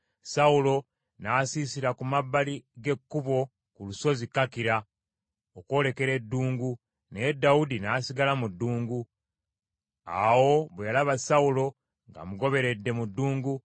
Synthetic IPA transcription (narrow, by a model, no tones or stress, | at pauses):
saulo̞ | naːsiːsiɾakumabːaliɡe̞kːuβo̞ | kuluso̞zikakiɾa | oko̞ːle̞ke̞ɾe̞dːuːŋɡu | needːaudinaːsiɡalamudːuːŋɡu | a̰wo̞βwejalaβasaulo̞ | ŋɡa̰muɡo̞βe̞ɾe̞dːe̞mudːuːŋɡu